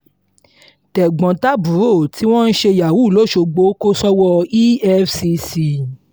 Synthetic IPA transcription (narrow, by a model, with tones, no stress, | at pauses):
tɛ˨ɡ͡bɔ̃˨ta˦bu˨˦ɾo˦˨ti˦w̃ɔ̃˦˧n̩˦ʃe˧ja˨wu˦˨lo˦˨ʃo˧ɡ͡bo˧˦ko˦sɔ˦wɔ˧i˦ɛ˦fsi˧si˧